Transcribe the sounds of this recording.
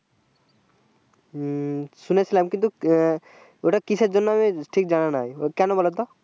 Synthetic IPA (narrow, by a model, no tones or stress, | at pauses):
sunesəlaːmkĩnt̪u | oʈakised͡ʒɔnːamẽʈʰiːk̚d͡ʒaɽ̃anaːekjanõbɔlad̪ɔ